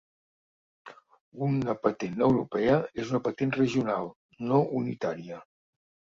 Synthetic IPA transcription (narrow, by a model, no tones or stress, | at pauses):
unəpət̪enəwɾṵpɛəezunəpət̪enrəʒiunalˠ | noʔunit̪aɾiə